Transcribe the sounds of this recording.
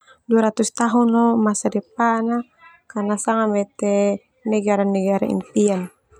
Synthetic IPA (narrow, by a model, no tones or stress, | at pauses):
duaɾat̪ust̪aɦunɔmasadɛpana | karnasaŋamɛt̪ɛ | nɛɡaɾanːɛɡaɾaḭnt̪ian